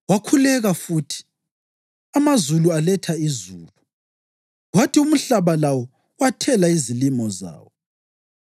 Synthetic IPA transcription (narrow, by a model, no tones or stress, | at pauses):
wakʰulɛɣafuːtʰi̥ | amazulualɛtʰaizuːlu | ɣwatium̩ɬaβalawɔ | watʰɛlaizilimɔza̰ːwɔ